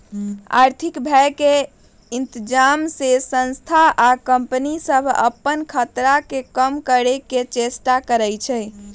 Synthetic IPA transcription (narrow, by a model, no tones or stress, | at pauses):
a̰ɾt̪ʰikbʱɛjke | int̪id͡ʒamsesə̃nst̪ʰaʔakəmpənisəbʱə̰pːənkʰət̪ɾakekəmkəɾeket͡ʃesʈakəɾəjt͡ʃʰɛj